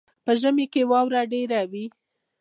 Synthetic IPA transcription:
pəʒəmekewɑwɾaɖeɾawi

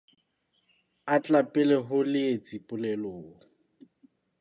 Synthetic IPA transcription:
at͡ɬʼapʼɛlɛɦʊlɪet͡sʼipʼʊlɛloː

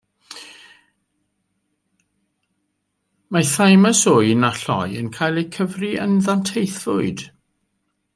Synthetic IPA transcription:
maθajməsoːnaɬɔ̰jənkʰaːjlˠejkʰəvriənðantʰejθv̥ʊɨd̥

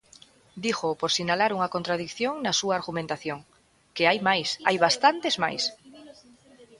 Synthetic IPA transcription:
d̪ixopoɾsinalaɾuŋakont̪ɾaðikθjoŋnasuaːɾɣumẽnt̪aθjoŋ | keajmajsajβast̪ant̪ezma̰js

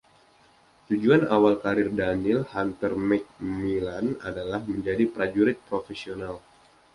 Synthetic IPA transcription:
t̪ud͡ʒuanawalkaɾɪrdanɪlhant̪ərmɛk̚milana̰dalahməɲd͡ʒadipɾad͡ʒuɾɪt̪̚pɾofesional

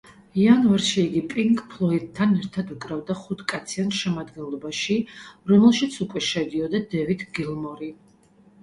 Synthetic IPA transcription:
ianvaɾʃiːɡipʼiŋkʼpʰlˠɔit̪̚tʰːanɛɾt̪ʰad̪ukʼɾavd̪aχut̪ʰkʼat̪sʰiant̪ʃɛmad̪ɡɛnlˠɔbaʃiɾɔmɛlˠʃit̪sʰukʼwɛʃɛd̪iɔd̪ad̪ɛvit̪ʰɡilˠmɔɾi

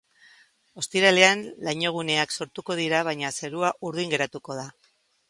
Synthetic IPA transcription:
o̞st̪iɾale̞anlaɲo̞ɣ̞une̞akso̞ɾt̪uko̞ð̞iɾaβ̞ajɲase̞ɾuaʔuɾðiŋɡe̞ɾat̪uko̞ð̞a

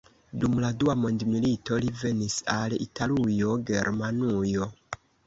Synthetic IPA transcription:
dumladuwamo̞ndmilito̞live̞nisalḭtʰalujo̞ɡe̞ɾmanujo̞

